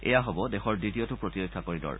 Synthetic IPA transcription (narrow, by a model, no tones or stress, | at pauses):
ɛ̰jaɦobɔdexɔɹditiotʊpɹotiɹikʰːakoɹidɔ̰ɹ